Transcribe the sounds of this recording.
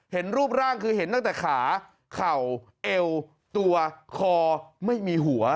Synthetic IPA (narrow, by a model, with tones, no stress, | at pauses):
he˩˦nɾuː˥˩p̚ɾaː˥˩ŋkʰɯː˧ɦe˨˦nt̪a˥˩ŋt̪ɛː˨˩kʰaː˩˦ | kʰa˨˩w | ʔe˧w | t̪u˧ɐkʰɔː˧ma˥˩jmiː˧ɦu˩˦ɐ